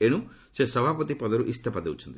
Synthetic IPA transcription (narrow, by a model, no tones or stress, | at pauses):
eɽ̃ũ | sesɔbʱapɔt̪ipɔd̪ɔɾuʔist̪ʰɐpad̪eut͡ʃʰu̥nt̪i